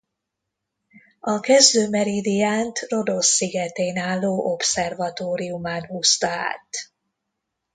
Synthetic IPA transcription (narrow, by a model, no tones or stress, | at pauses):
ɒkɛzd̪øːmɛɾid̪ijaːnt̪ro̞d̪o̞sːiɡɛt̪eːnaːlːoːʔo̞psɛrvɒt̪oːɾiumaːnhust̪ɒa̰ːt̪